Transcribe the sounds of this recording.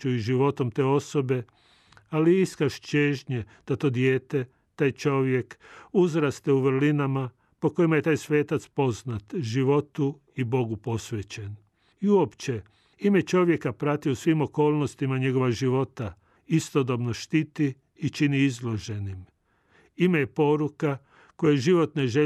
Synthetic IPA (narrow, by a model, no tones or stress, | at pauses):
uiʒiʋo̞t̪o̞mt̪e̞ːo̞so̞be̞ | aliiskaʃt͡ʃeːʒɲed̪̥at̪o̞ːd̪jeːt̪e̞ | t̪aːjt͡ʃo̞ʋje̞kuzɾast̪euʋrlinama | po̞ko̞jimaje̞t̪aːjsʋe̞ːt̪at̪spo̞znat̪ʒiʋo̞t̪u | ibo̞ɡupo̞sʋet͡ɕe̞n | iuo̞pt͡ɕe̞ | imet͡ʃo̞ʋje̞kapɾat̪iusʋimo̞ko̞ːlˠnost̪imaɲe̞ɡo̞ʋaʒiʋo̞t̪a | ist̪o̞d̪o̞bno̞ʃt̪it̪iː | t͡ʃiniizlˠo̞ʒe̞nim | imejepo̞ɾuka | ko̞jeʒiʋo̞t̪ne̞ʒe